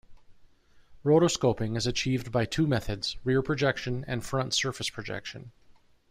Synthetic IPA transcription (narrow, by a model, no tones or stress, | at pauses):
ɹoʊɾoskoʊpɪ̃ŋɨzɨt͡ʃʰivbaɪtʰʉmɛθɨdz̥ɹɪɹpʰɹ̥ɨd͡ʒɛkʃɨ̃nɨ̰̃nfɹʌ̃ntsɜ˞fɨspʰɹ̥ɨd͡ʒɛ̰kʃɨ̃n